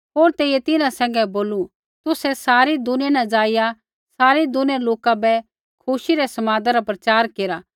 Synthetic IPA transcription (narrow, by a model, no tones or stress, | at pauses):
ɦoːɾt̪eːijɛt̪ɪnãsɛ̃ːŋɡɛboːlu | t̪ʊsɛsaːɾid̪ʊnẽnad͡ʒaːɪja | saːɾid̪ʊnɛ̃loːkabɛ | kʰʊsiɾɛsɐmaːd̪aɾapɾɐt͡ʃaːɾkeːɾa